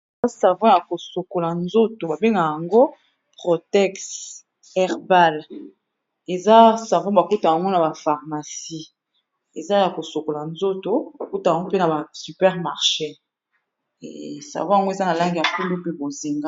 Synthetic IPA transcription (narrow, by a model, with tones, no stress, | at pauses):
a˦sa˨vɔ̃˦ja˨ko˨so˨ko˨la˨nzo˦to˨ba˨be˦ŋɡa˨ja˨ŋɡo˦ | pʁo˨tɛ˦ks | ɛ˦ʁba˦l | e˨za˦sa˨vɔ̃˦ba˨ku˦ta˨ja˨ŋɡo˦na˨ba˨fa˨ʁma˨si˦ | e˨za˦ja˨ko˨so˨ko˨la˨nzo˦to˨ba˨ku˦ta˨ja˨ŋɡo˦pe˦na˨ba˨sy˨pɛ˦ʁma˨ʁʃe˦˨ | sa̰˨vɔ̃˦ja˨ŋɡo˦e˨za˦na˨la˦ŋɡi˨a˨ku˦lu˦pe˦bo˨ze˨ŋɡa˦